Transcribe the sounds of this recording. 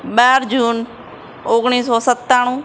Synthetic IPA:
ɓaːɾd͡ʒuːn | ʊɡɽiːs̬ɔːsət̪ːaːɽ̃ũː

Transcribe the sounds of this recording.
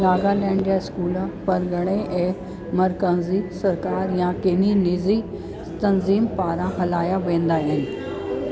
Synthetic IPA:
naːɡalɛ̃ːɳijaɪskuːlpɐɾɡʱɐɽ̃ẽʔẽː | mɐɾkə̃nzisɐɾkaːɾjãkeninizi | t̪ɐnziːmpaːɾãɦɐlaːjaʋẽːnd̪aɦɪnɪ̆

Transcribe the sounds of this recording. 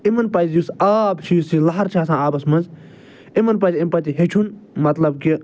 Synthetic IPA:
imɐnpɐzjusaːbʃiːsilɐɦɐɾt͡ʃʰaːs̬ãːaːbɐsmɐnz | imɐnpɐd͡ʒimpɐt̪iɦet͡ʃʰunmɐt̪lɐbki

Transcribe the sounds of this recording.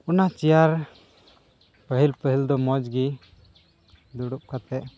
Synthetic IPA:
unat͡ʃijaɾ | pəɦilpəɦild̪ɔmɔd͡ʒɡi | d̪uɽup̚kat̪ɛʔ

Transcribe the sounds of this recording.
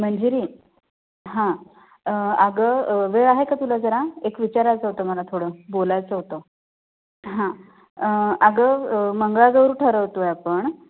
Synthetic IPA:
m̤əɳd͡ʑeɾiː | ɦã | aɡəʋeɭaɦekat̪ulad͡zəɾaekʋit͡ɕaɾajt͡səɦot̪əməlat̪ʰoɽəbolajt͡səɦot̪ə | ɦã | aɡəməŋɡɭad͡zəʋɾuʈʰəɾəʋt̪ojapəɳ

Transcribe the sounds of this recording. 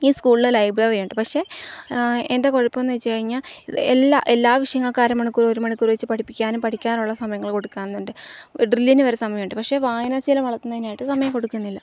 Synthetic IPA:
iːskuːɭiɭelɐjbrɐːrijaɳɖɨpɐkʂe̞ | end̪aːkoɻɐpːomenːɨʋet͡ɕːɨkɐɻiɲːaːelːaʔelːaːʋiʂɐjɐŋːɐɭkaːɾɐmːɐɳukːuroɾumɐɳukʲːurʋet͡ɕːɨpɐʈʰipːikʲːaːnumpɐʈʰikʲːaːnuɭːɐsɐmɐjɐŋːɐɭko̞ɽukːaːnenːoɳɖɨɖrilːinɨʋɐɾesɐmɐjɐmːɳɖɨpɐkʂe̞ʋaːjɐnasiɐlɐmʋɐɭɐt̪ːunːɐðinaːjiʈːɨsɐmɐjɐmko̞ɽukʲːunːilːɐ

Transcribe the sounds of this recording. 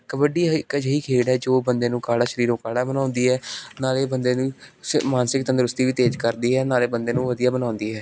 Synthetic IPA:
kəʋəɖiːkəd͡ʒɦiːkʰeːɽɛːd͡ʒoːbənd̪eːnũːkaːɽaːʃəɾiːɾõːkaːɽaːbənaːʊnd̪iːɦɛːnaːleːbənd̪eːnũːmaːnsɪkt̪ənd̪ɾʊst̪iːʋiːt̪eːd͡ʒkəɾd̪iːɦɛːnaːleːbənd̪eːnũːʋəd̪ijaːbənãːʊnd̪iːɦɛː

